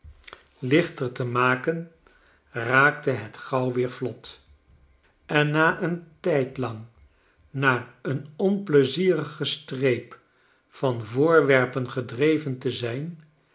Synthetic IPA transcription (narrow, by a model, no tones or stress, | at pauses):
lɪχtəɹtəmaːkən | raːktəɦətχɑwʋɪːɹflɔt | ɛnːaːʔəntɛjtlɑŋ | naːənɔnpləziːrəχəstrejp | fɑnvʊːɹʋɛɹpənχədrejvəntəzɛjn